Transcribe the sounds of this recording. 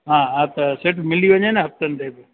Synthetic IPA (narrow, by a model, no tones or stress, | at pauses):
ɦãːɦãːt̪ɐseʈmɪliʋɐɲenɛɦɐp̚t̪ənɪt̪eːbɪ